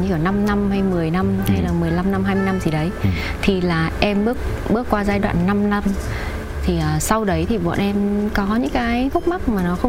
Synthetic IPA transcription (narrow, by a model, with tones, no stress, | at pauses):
ɲɨ˧kaː˧˩na˧mna˧mha˧jmɨ˨˩əjna˧mha˧jlaː˨˩mɨ˨˩əjla˧mna˧mhaː˧jmɨ˧əjna˧mt̪zʰi˨˩ɗə˨˦j | t̪ʰi˨˩laː˨˩ʔɛ˧mɓɨ˦˥ək̚ɓɨ˦˥əkːwaː˧zaː˧jɗwa̰ː˧˨nːa˧mna˧m | t̪ʰi˨˩ʔəː˨˩sa˧wɗə˨˦jt̪ʰi˨˩ɓɔ̰˧˨nʔɛ˧mkɔ˨˦ɲɨ̰˧˥ŋkaː˨˦jfʊ˦˥k͡p̚ma˦˥k̚maː˨˩nɔ˨˦xə˧wŋ͡m